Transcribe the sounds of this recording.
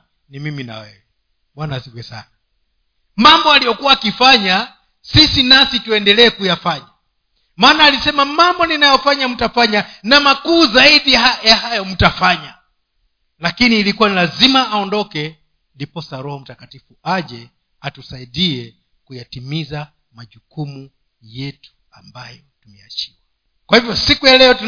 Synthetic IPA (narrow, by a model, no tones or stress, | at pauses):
nimimina̰wɛ | ɓwanasiɡwɛsa̰na | mambɔalijɔkuwaːkifaɲa | sisinasituɛndɛlɛːkujafaɲa | maːnaːlisɛmamambɔninajɔfaɲam̩tafaɲanamakuːzaiɗiajahajɔm̩tafaɲa | lakiniːlikuanilazimaʔːɔndɔkɛ | ndipɔsaɾɔhɔm̩takatifuaʄɛ | atusaiɗiɛ | kujatimiza | maʄukumu | jɛtu̥ | ambajɔ | tumɛa̰t͡ʃi̥wa | kwahivjɔsikujalɛɔtu